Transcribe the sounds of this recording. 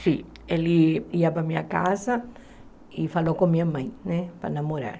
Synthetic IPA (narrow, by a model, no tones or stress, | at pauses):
sĩ | eliiɐpɾɐmĩɲɐkazɐ | ifalokõmĩɲɐmɐ̃j̃nɛpɾɐ̰namoɾa̰ɾ